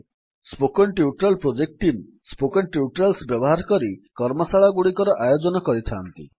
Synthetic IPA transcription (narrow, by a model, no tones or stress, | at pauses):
spokɔnʈiuʈɾalpɾod͡ʒek̚ʈim | spokɔnʈiuʈɾalsbjɔbɔɦaɾkɔɾikɔɾmɔsaɭaɡuɽikɔɾɔʔajod͡ʒɔnɔkɔɾit̪ʰaːnt̪ḭ